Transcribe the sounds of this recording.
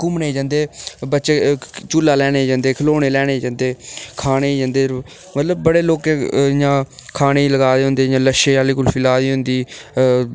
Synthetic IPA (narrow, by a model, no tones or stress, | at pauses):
kʊmneːd͡ʒãːnd̪eːbətːʃeːt͡ʃuːlːaːlɛːneːd͡ʒãːnd̪eːkʰəloːneːlɛːneːd͡ʒãːnd̪eːkʰaːɽeːd͡ʒãːnd̪eː | mət̪ləbbəɽeːloːkeːjãːkʰaːneːləɡaːd̪eːɦʊnd̪eːjãːləʃeːaːliːkʊlpʰɪlaːd̪iːɦʊnd̪iː